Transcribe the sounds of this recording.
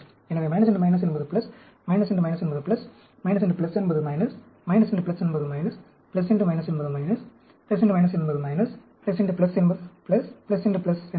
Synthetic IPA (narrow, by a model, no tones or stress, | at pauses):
ɛnɐʋeːmɐɪnɐs̬ɛɳʈɯmɐɪnɐs̬ɛnːbɐðɯplɐs | mɐɪnɐsɛɳɖɯmɐɪnɐsɛnbɐðɯplɐs | mɐɪnɐs̬ɛɳɖɯplɐsɛnbɐðɯmɐɪnɐs | mɐɪnɐsɛɳɖɯplɐsɛnːbɐðɯmɪnɐs | plɐsɛɳɖɯmɐɪnɐsɛnbɐðɯmɐɪnɐs | plɐs̬ɪɳʈɯmɐɪnɐsɛnbɐðɯmɐɪnɐs | plɐsɛɳɖuplɐsɛnbɐðɯplɐsplɐsɪɳɖuplɐsɛ